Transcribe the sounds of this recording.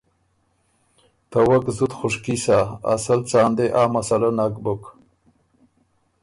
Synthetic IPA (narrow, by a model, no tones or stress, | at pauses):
t̪awakzut̪xuʂkisaa̰salt͡saːnd̪eʔaːmasalanakbuk